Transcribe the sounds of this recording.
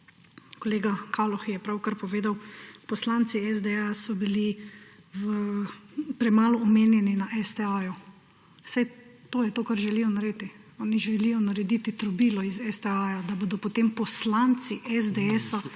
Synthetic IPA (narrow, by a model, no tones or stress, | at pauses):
kɔleːɡakʰalɔxjɛpɾawkaɾpɔʋeːd̪awpɔslaːnt̪siɛzd̪ɛasɔbili | ʋə | pɾɛmaːlɔːmeːnjɛninaʔɛsd̪ɛaju | sajt̪oːjɛt̪oːkaɾʒɛlijɔnaɾeːt̪i | ɔːniʒɛlijɔnaɾɛd̪it̪it̪ɾɔbiːlɔizɛsd̪ɛaːjad̪aboːd̪ɔpɔt̪eːmpɔslant̪siʔɛzd̪ɛɛsa